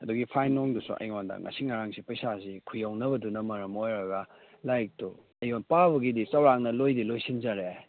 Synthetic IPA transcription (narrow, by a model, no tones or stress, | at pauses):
ɐduɡipʰajnoŋdusṵʔɐ̰jŋondɐ̰ŋʔɐ̰siŋaɾaŋsipɐjsasikʰujawnɐbɐdunɐmɐɾɐmojɾɐɡɐ | lajk̚tu | ɐjonpabɐɡidisɐwɾaŋnɐlojdilojsind͡ʒɐɾe